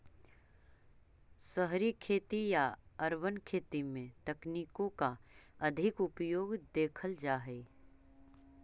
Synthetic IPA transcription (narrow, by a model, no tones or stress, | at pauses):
səɦɾikʰeːt̪ijaɐɾwənkʰeːt̪imẽt̪ɐkniːkõkaɐd̪ʱɪkʊpjoːɡd̪eːkʰəld͡ʒaːɦeː